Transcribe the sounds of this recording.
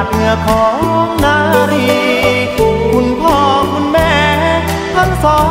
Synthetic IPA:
t̪̚ŋa˧˩kʰɔː˨˦ŋnaː˧˦ɾiː˧˩˧ | kʰu˧˥npʰɔː˧˩kʰu˧˥nmɛː˧˥˩ | a˧˥ŋsɔː˨˧˦

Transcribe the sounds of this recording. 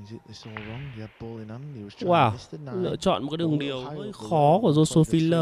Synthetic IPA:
waː˨˩lɨ̰˧˨t͡ɕɔ̰˧˨nm˨˩kaː˨˦ɗəŋɗi˨˩əwzəː˧˦xɔ˨˦ku˧˩əzo˧so˧˦fi˧˦ləː˧˩

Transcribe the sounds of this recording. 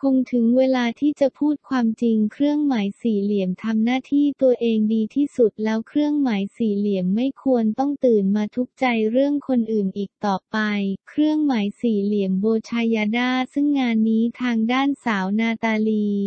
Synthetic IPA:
kʰo˧ŋt̪ʰɯ˩˦ŋweː˧laː˧t̪ʰiː˥˩t͡ɕa˨˩pʰuː˥˩t̪̚kʰwaː˧mt͡ɕi˧ŋkʰɾɯ˥˩əŋmaː˩˦jsiː˨˩li˩˦əmt̪ʰa˧mnaː˥˩t̪ʰiː˥˩t̪u˧əʔeː˧ŋdiː˧t̪ʰiː˥˩su˨˩t̪̚lɛː˦˥wkʰɾɯ˥˩əŋmaː˩˦jsiː˨˩li˨˩˦əmːa˥˩jkʰu˧ənt̪ɔ˥˩ŋt̪ɯː˨˩nmaː˧t̪ʰu˦˥k̚t͡ɕa˧jɾɯ˥˩əŋkʰo˧nʔɯː˨˩nʔiː˨˩k̚t̪ɔː˨˩pa˧jkʰɾɯ˥˩əŋmaː˩˦jsiː˨˩li˨˩˦əmboː˧t͡ɕʰaː˧jaː˧daː˥˩sɯ˥˩ŋːaː˧nːiː˦˥t̪ʰaː˧ŋdaː˥˩nsaː˩˦wnaː˧t̪aː˧liː˧

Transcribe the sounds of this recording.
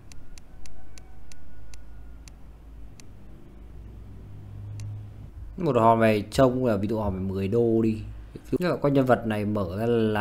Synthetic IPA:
mo˨˩t̚hɔ˨˩mɛ˨˩t͡ɕə˧wŋ͡mlaː˨˩vi˧zṵ˧˨hɔ˨˩mɛ˨˩mɨ˨˩əjɗo˧ɗi˧vḭ˧˨˦la̰ː˧˨˩kɔ˧ɲə˧nvə˨˩t̚na˨˩jməː˧˩˦zaː˧˨laː˨

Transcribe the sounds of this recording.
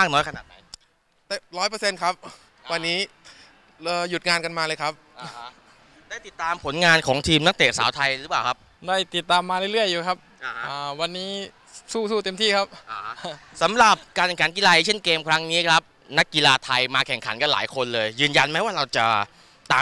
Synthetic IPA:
maː˥˩k̚nɔː˦˥jkʰa˧naː˨˩t̪̚na˩˦j | t̪ɛ˨˩ɾɔː˦˥jp̬əɤ˧se˧nkʰa˦˥p̚ | wa˧nːiː˦˥ | əː˨˧ju˨˩t̪̚ŋaː˧nka˧nmaː˧lɤː˧jkʰa˦˥p̚ː | daː˥˩jt̪i˨˩t̪ːaː˧mpʰo˩˦nŋaː˧nkʰɔː˩˦ŋt̪ʰiː˧mna˦˥k̚t̪eː˨˩t̪̚sa̰ː˩˦wt̪ʰa˧jɾɯː˦˥paː˨˩wkʰa˦˥p̚ | da˥˩jt̪i˨˩t̪ːaː˧mːaː˧le˥˩jɾɯ˥˩əjːuː˨˩kʰa˦˥p̚ | ʔəː˨˩wa˧nːiː˦˥ | suː˥˩suː˥˩t̪e˧mt̪ʰiː˥˩kʰa˦˥p̚ʔsa˩˦mɾa˨˩p̚kaː˧nkkʰa˩˦nki˧laː˧ʔjt͡ɕʰe˥˩nkeː˧mkʰɾa˦˥ŋniː˦˥kʰɾa˦˥p̚ | na˦˥kːi˧laː˧t̪ʰa˧jmaː˧kʰɛ˨˩ŋkʰa̰˩˦nka˧nla̰ː˩˦jkʰo˧nlɤː˧jjɯː˧nja˧nma˦˥waː˥˩ɾa˧wt͡ɕa̰˨˩ | t̪aː˧

